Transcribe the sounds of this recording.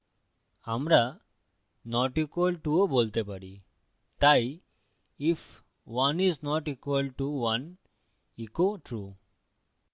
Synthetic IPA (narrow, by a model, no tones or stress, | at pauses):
amɾa | nɔʈikʋəlʈuəbolt̪ɛpaɽi | t̪aj | if | ʋaniznɔʈikʋəlʈuʋən | ikoʈʰɾu